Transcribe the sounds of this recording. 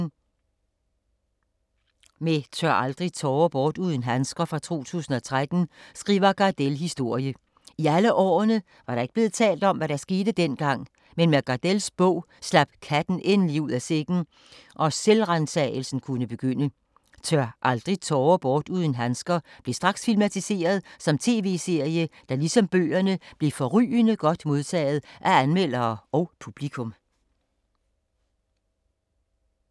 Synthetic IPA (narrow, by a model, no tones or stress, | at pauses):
met͡sʰøɐɑ̈ld̥ʁit͡sʰɒːb̥ɒːd̥uð̞ˠn̩ɦænsɡ̥ɐfʁɑ̈t͡sʰo̝̰ːt͡sʰṵːsn̩ɒ̽t͡sʰʁad̥n̩sɡ̥ʁḭːʋɐɡ̥ɑ̈d̥elɦisd̥o̝ɐ̰jə | iæləʔɒ̰ːnə | ʋɑ̈ɾ̥ɑ̈eɡ̥əb̥le̝ːð̞̩ˠt͡sʰɛ̰ːld̥ɒ̽mʋæɾ̥ɑ̈sɡ̥e̝ːd̥əd̥en̰ɡ̥ɑ̈ŋ̰ | menmeɡ̥ɑ̈d̥elsb̥ɔ̽ʊ̰ | slæb̥̚kʰæd̥n̩ʔenliuð̰ˠæse̝ɡ̥n̩ | ʔɒ̽selʁɑnt͡sʰɛ̰ɪl̩sn̩kʰunəb̥e̝ɡ̥øn̰ə | t͡sʰɶɐʔɑ̈ld̥ʁit͡sʰɒːb̥ɒːd̥uð̞ˠən̩ɦænsɡ̥ɐb̥le̝sd̥ʁɑ̈ɡ̥sfilmæt͡sʰise̝̰ːɐð̞ˠsɒ̽mt͡sʰe̝̰ːʋe̝̰ːse̝ɐ̰jəd̥ɑ̈lisɒ̽mb̥ø̰ːɐnəb̥le̝fɒ̽ʁy̰ːnəɡ̥ɒ̽d̥mo̝ðˠt͡sʰɛ̰ːð̞ˠʔæænmel̰ɐːɒʊpʰub̥likʰɔ̽m